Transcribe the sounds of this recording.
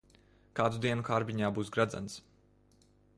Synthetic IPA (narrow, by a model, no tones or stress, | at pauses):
kaːd̪ud̪iɛnukaɾbiɲaːbuːsɡɾad̪za̰ns